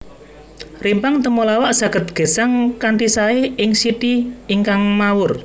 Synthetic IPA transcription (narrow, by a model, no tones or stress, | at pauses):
rimpaŋt̪əmolawaʔsa̤ɡ̥ə̤t̪̚ɡ̥ə̤saŋkanʈ̪isaeɪŋsit̪iiŋkaŋmawʊr